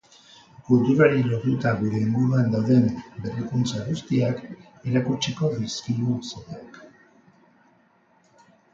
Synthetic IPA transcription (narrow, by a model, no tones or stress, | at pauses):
fult̪uɾaɾilo̞ɾt̪ut̪aɣuɾe̞ːŋɡuɾuand̪awðe̞mbe̞rikunt͡saɣust̪iak | eɾakut͡ʃiko̞ðiskiuseβaak